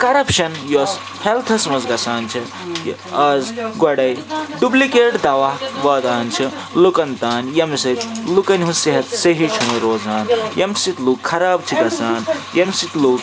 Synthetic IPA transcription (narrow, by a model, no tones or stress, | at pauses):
kɐɾɐpʃɐnjos | helt̪ʰɐsmɐzɡɐsaːnt͡ʃʰi | ɐzɡwɐɽɐjɖuplikeːʈd̪aːʋaːʋɐːd̪aːnt͡ʃʰi | lukɐnt̪aːnjɐmsit̪lukɐnɦũseɦɐt̪seɦit͡ʃʰunuɾoːzaːnjɐmsit̪luːkʰːɐɾaːbt͡ʃʰiɡɐsaːnjɐmsit̪luːk